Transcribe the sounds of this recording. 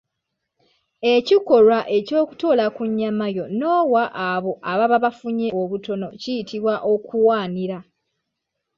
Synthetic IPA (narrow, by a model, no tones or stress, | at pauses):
e̞ciko̞lwaʔe̞co̞ːkuto̞ːlakuɲːamajo̞no̞ːwaʔːβo̞ʔaβaβaβafuɲeoβuto̞no̞cijitʰiβwaʔokʰuwaːniɾa